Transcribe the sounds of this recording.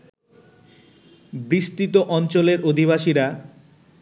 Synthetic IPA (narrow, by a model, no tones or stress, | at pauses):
bɾist̪it̪oʔɔnt͡ɕoleɾod̪ʱiβaʃiɾa